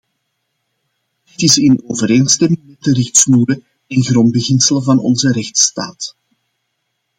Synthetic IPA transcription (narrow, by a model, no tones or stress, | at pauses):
d̥ɪtɪsɪnoːvəɾeːnstɛmɪŋmɛt̚dərɪxtsnuːɾə | ɛnɣɾɔnd̚bəɣɪnsələvɑnɔ̰nzəɾɛxtsta̰ːt